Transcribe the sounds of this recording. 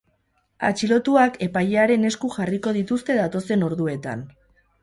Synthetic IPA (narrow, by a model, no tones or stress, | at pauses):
a̰t͡ʃilo̞t̪uake̞pajeaɾe̞ne̞skuxariko̞ð̞it̪ust̪e̞ðat̪o̞se̞no̞ɾðue̞t̪a̰n